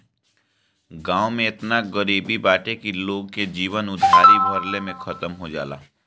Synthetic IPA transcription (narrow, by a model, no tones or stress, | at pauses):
ɡãːomẽɪt̪naɡəɾiːbibaːʈekiloːɡked͡ʒiːʋənʊd̪ʱːaːɾibɐɾlemẽxʰɐt̪əmɦod͡ʒa̰ːla̰ː